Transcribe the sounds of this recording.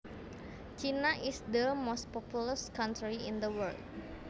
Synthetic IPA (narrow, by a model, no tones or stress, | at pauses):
t͡ʃinaʔɪsd̪əmost̚pɔpuləskãntɾiɪ̰̃nd̪əwərld̚